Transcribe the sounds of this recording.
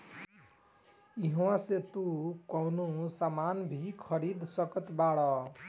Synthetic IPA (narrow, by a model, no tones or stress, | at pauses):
iɦwãset̪ukʌwnusamanbʱikʰʌɾid̪sʌkʌt̪baɽʌ